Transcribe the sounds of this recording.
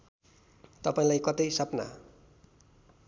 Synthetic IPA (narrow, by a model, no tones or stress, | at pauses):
t̪ʌpaĩlajkʌt̪ʌjsʌpna̰